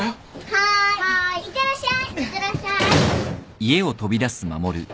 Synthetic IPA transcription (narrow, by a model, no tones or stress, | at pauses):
haat̪eɾaɕakeɾaɕa | ie̞o̞t̪o̞bʲid̪asɨma̰mo̞ɾɯ̟